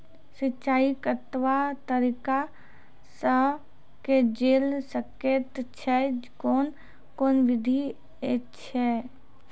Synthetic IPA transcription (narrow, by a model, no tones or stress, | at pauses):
sɪtːt͡ʃaːikət̪ʋat̪əɾika | sə | ked͡ʒeːlsəket̪t͡ʃʰɛkoːn | koːnʋɪd̪ʱi | t͡ʃʰɛ